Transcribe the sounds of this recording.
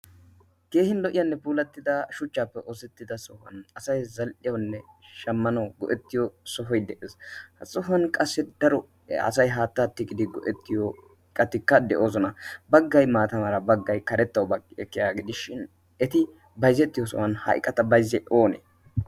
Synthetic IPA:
ke̞ːhɪnlɔʔɪjɐnːɛpuːlɐt̪ːɪd̪ɐʃʊt͡ʃːaːpːɛʔoːsɛt̪ːɪd̪ɐsɔhɐ̰nɐsɐjzɐlʔɪjɐwnːɛʃɐmːɐnɐwɡɔʔɛt̪ːɪjɔsɔɦɔjd̪ɛʔeːshɐsʼɔhɐnkʼɐsːɛd̪̥ɐɾɔ | ɐ̰sɐjɦaːt̪ːaːt̪ːɪɡɪd̪ɪɡɔ̰ʔɛt̪ːɪjɔ | kʼːɐt̪ːɪkːɐd̪ɛʔo̞ːsɔnɐbɐɡːɐjmaːt̪ɐmɐɾɐbɐɡːɐjkɐɾɛt̪ːɐwbɐɡɪɛkːɪjaːɡɪd̪ɪʃɪn | ɛt̪ɪ | bɐjzɛt̪ːɪjɔsɔ̰hɐnhɐ̰jkʼːɐt̪ɐbɐjzːɛʔoːnḛ

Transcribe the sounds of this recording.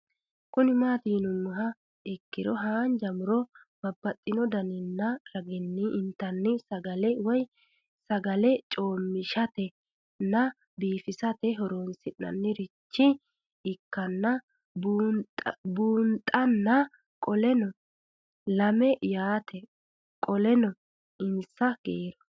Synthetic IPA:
kʊnɪmaːt̪iːnʊmːʊɦɐ | ɪkːɪɾɔɦaːnd͡ʒɐmʊɾɔ | b̥ɐbːɐt̪ʼːɪnɔd̪ɐnɪnːɐɾɐɡɪnːɪʔnt̪ːɐnːɪsɐɡɐlɛwɔj | sɐɡɐlɛt͡ʃʼo̞ːmːɪʃɐt̪ɛ | nːɐ | biːfɪsɐt̪ɛɦɔɾoːnsɪnːɐ̰nːɪɾɪt͡ʃːɪ | ɪkːɐnːɐ | buːbuːnt̪ʼːɐnːɐ | kʼɔlɛnɔ | lɐmɛjaːt̪ɛ | kʼɔlɛnɔ | ɪnsɐɡ̥eːɾɔ̥

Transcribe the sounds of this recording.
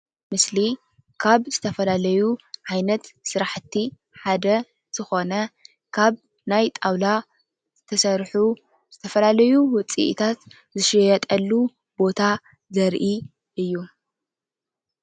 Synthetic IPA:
mɨsli | kʰaβzɨt̪ʰɐfɐlalɐjuʕajnɐt̪sɨɾaħt̪ʰːi | ħad̪ɐ | z̥ɨxo̞nɐ | kʰaβ | najt̪ʼawla | zɨt̪ʰɐsɐɾħu | z̥ɨt̪ʰɐfɐlalɐjuwʊt͡sʼḭʔt̪ʰat̪ | zɨʃɪjɐt̪ʼɐlːu | bo̞t̪ʰa | zɐɾʔi | ʔɨjːu

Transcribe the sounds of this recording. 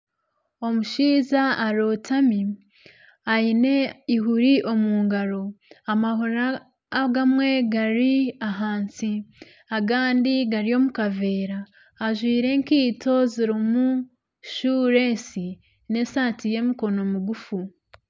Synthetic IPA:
o̞muʃiːzaaɾo̞tʰami | ajine̞iɦuɾiʔo̞muːŋɡaɾo̞amahoɾaː | ɡamwe̞ɡaɾiaɦaːnsi | aɡaːndiɡaɾio̞mukave̞ːɾaː | ʒwiːɾe̞ŋkiːto̞ziɾimu | ʃuːɾesi | ne̞saːtije̞miko̞no̞muɡufu

